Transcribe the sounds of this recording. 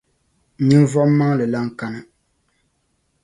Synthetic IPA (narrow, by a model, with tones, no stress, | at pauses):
ɲɨ˦n˦vɔ˦m˦mːa˦ŋlɨ˨la˦ŋ̩˦˨ka˦nɨ˦